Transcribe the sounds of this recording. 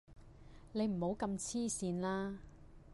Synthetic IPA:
ne˨˧jm̩˨˩ho˨˧wkɐ˧mt͡sʰiː˥siː˧nlaː˥

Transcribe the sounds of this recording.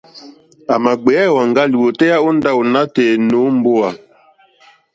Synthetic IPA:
a˨ma˨ɡ͡be˨˦ɛ˦˨wa˨ŋɡa˦li˨wo˨tɛ˦ja˦o˦n˦da˦o˨na˦te˨no˨˦m˦bo˦a˨

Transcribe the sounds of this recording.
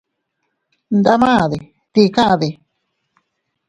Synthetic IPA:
nd̪a˦mãː˦˨ði˨ | t̪i˧kã˦ʔã˧ði˧

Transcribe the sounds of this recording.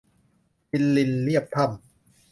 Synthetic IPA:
pi˧nli˧nli˥˩əp̚t̪ʰa˥˩m

